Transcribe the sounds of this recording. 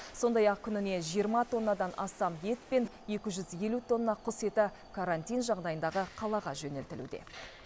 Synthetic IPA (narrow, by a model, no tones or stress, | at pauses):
so̞nd̪ɑjɑq̚kʲʰʏnɪne̞ʒijəɾmɑt̪ʰo̞nːɑd̪ɑnɑst̪ɑmje̞t̪pe̞n | e̞kʲɪʒʏzje̞lut̪ʰo̞nːɑqʰʊse̞t̪ɪ | kʰaɾant̪ʲijnʒɑʁd̪ɑjənd̪ɑʁəqʰɑlˠɑʁɑʒɵne̞lt̪ɪlṵd̪e̞̰